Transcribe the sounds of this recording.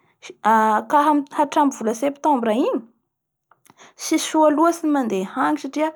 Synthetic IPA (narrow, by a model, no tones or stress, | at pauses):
akaɦamaʈ͡ʂamivuləsept̪ɔ̃mbɾaiɲi̥ | siʃualuasinimand̪ehaŋisaʈ͡ʂia